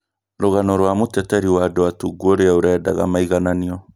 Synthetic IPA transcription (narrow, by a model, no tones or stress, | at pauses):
ɾoɣanɔɾwamotɛtɛɾiwadoatuɡuoɾeaoɾɛːdaɣa̰maiɣananiɔ